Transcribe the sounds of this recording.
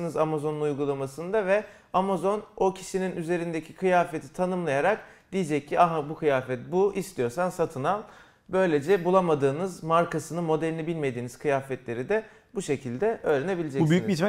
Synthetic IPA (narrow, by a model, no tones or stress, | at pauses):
nɯzamazo̞nunujɡulˠamasɯnd̪avɛ | amazo̞no̞cʰi̥ʃininyze̞ɾind̪ecʰikʰɯjaːfe̞t̪ʰi̥t̪ʰanɯmlˠajaɾak̚ | d̪̥ijid͡ʒɛc̚cːiaɦabukʰɯjaːfɛt̪̚buist̪ʰijo̞ɾsansat̪ʰɯnalˠ | bø̞jlʲe̞d͡ʒɛbulˠamad̪ɯːnɯzmaɾkʰasɯnɯmo̞d̪ɛɾinibilʲme̞d̪iːniz̥kʰɯjaːfɛt̪lʲe̞ɾid̪ɛ | buʃe̞cʰilʲd̪ɛʔø̞ːɾene̞bilʲed͡ʒɛsbyjyi